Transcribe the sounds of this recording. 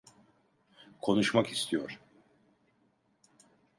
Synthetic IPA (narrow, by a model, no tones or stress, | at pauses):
kʰo̞nuʃmakist̪ʰijoɾ̥